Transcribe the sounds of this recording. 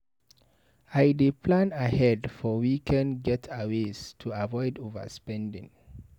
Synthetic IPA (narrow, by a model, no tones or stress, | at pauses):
ajdepʰlãnahɛdfɔwikʰɛ̃nɡɛtʰawestʰuavɔɪdovə̰spɛ̃ndḭ̃ŋ